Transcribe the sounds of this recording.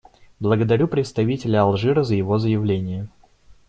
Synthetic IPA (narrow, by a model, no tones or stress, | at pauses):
blˠəɡəd̪ɐɾʲupɾʲɪt̪st̪ɐvʲitʲɪlʲəɐlˠʐɨɾəzəjɪvo̞zəjɪvlʲenʲɪjə